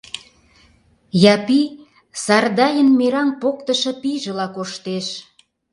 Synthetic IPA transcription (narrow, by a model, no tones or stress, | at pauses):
jɑpi | sɑrd̪ɑjənmeɾɑnpokt̪əʃɤ̆piʒə̆lɑkoʃt̪eʃ